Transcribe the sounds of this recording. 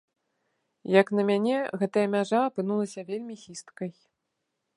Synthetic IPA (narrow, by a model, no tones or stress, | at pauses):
jɐkn̪ɐmʲanʲɛɣɛt̪ɐjɐmʲaʐaːpɨn̪ulˠɐsʲɐvʲelʲmʲixʲist̪kɐj